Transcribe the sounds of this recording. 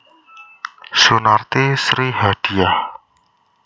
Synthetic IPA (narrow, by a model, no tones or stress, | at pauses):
sunart̪isɾiɦad̥i̤ah